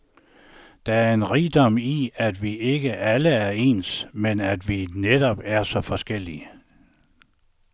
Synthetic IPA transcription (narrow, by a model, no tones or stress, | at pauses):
d̥ɑ̈æɐe̝nʁiːd̥ɒ̽m̰iæd̥ʋiʔe̝ɡ̥əʔæləæɐe̝̰ːnsmenæd̥ʋined̥ɒb̥æɐsɒ̽fɒ̽sɡ̥el̰iə